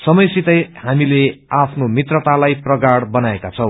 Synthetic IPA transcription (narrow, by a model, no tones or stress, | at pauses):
sʌmʌjsit̪ʌjhamileapʰnomit̪rʌt̪alajprʌɡaɽbʌnaekat͡sʰʌw̃